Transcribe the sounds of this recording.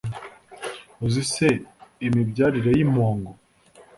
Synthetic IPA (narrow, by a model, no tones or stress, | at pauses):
uziseimibɟaːɾiɾejimoːŋɡo